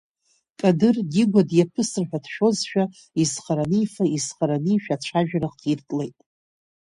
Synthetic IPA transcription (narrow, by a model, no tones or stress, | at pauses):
kʼadɨrɡiɡʷadjapʰɨsɨrħʷᶣadʃᶣo̞zʃᶣa | izχaɾanijfaizχaɾaniʃᶣaʈ͡ʂʷʰaʒᶣɾaqʰirtʼle̞jtʼ